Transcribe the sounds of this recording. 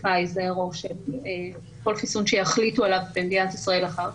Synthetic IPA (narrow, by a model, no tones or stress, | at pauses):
ajzeʁoʃene | ko̞lχisunʃejaχlitualavbemd̪inat̪isʁae̞laχaʁ